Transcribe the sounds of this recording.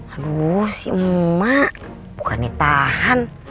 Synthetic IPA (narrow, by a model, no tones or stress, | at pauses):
adusḭuːaʔ | bukanet̪ahan